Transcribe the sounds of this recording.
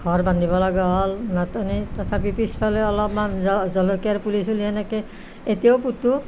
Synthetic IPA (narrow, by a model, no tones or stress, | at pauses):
ɡʱɔɹbandʱibɔlaɡɔɦɔlnatɔnitɔt̪ʰapipispʰalɛɔlɔpmanɔzɔlokiaɹpulisuliɦɛnɛkɛ | etijawputːu